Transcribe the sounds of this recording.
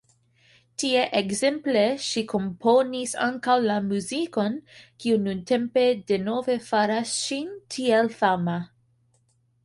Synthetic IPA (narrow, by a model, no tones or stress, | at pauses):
tieʔeɡzempleʃikʰompʰonisa̰ŋkawlamuziko̞nkiununtʰempe̞deno̞ve̞faɾasʃintʰielfama